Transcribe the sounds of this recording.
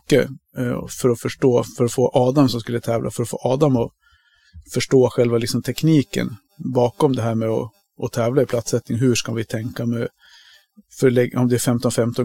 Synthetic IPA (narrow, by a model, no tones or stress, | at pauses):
kːə̰ | fœɾɔfœʂʈoːfœɾɔfoːʔɑːd̪amsɔmskɵlːət̪ʰɛːvlʔa̰fœɾɔfo̰ːʔɑːd̪amɔ | fœʂʈoːɧɛlvalɪksɔmt̪ʰɛkniːkə̰n | bɑːkɔmd̪ɛɦæːɾmɛɔ | ɔt̪ʰɛːvlaɪpʰlat̪sɛt̪nɪŋɦɵʂkavɪt̪ʰɛŋkamɛ | fœɭɛɔmd̪ɛɾfɛmt̪ɔnfɛmt̪ɔ